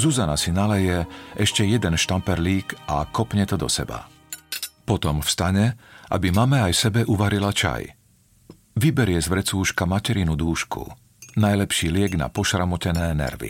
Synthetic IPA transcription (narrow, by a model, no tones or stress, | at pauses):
zuzanasinalɛjɛʔɛʃcɛjɛd̪ɛnʃt̪ampɛɾliːkʔakɔpɲɛt̪ɔd̪ɔ̰sɛ̰ba̰ | pɔt̪ɔmfst̪aɲɛʔa̰bimamɛajsɛbɛʔuʋaɾilat͡ʃa̰j | ʋibɛɾɪɛzʋɾɛt͡suːʃkamacɛɾinud̪uːʃkṵ | najlɛpʃiːlɪɛɡna̰pɔʃɾamɔcɛnɛːnɛ̰ɾʋḭ